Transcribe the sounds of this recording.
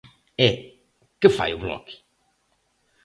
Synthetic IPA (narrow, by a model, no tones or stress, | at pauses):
ɛ | kɨfa̰jʊβlɔ̰ki̥